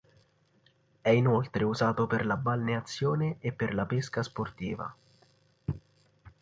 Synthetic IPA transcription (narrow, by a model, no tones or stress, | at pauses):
ɛinolt̪ɾeuzaːt̪operlabalneat̪sːjoːneːpːerlapeskasport̪ḭːva̰